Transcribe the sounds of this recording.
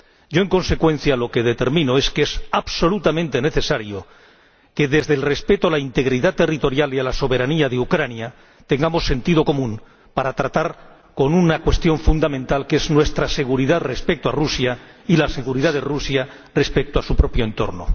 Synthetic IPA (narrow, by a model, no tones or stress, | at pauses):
ɟ͡ʝo̞eŋko̞nse̞kwẽ̞n̟θjalo̞ke̞ðet̪e̞ɾmĩno̞eske̞saβso̞lut̪amẽnt̪e̞ne̞θe̞saɾjo | ke̞ðe̞zðelre̞spe̞t̪oalaint̪e̞ɣɾiðat̪e̞rit̪o̞ɾjalialaso̞βe̞ɾaniaðeukɾanja | t̪e̞ŋɡamo̞sːe̞nt̪iðo̞ko̞mũn | paɾat̪ɾat̪aɾ | ko̞nunakwe̞st̪jo̞ɱfund̪amẽ̞nt̪alke̞znwe̞st̪ɾase̞ɣuɾiðaðre̞spe̞k̚t̪oarusjailase̞ɣuɾiðaðe̞rusja | re̞spe̞k̚t̪oasupɾo̞pjo̞e̞nt̪o̞̰ɾno̰